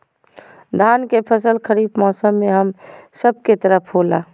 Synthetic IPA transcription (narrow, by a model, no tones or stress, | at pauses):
d̪ʱaːnkepʰəsəlkʰəɾiːbmɔːsəmːẽɦəmsəb̚ket̪əɾəpʰɦoːlaː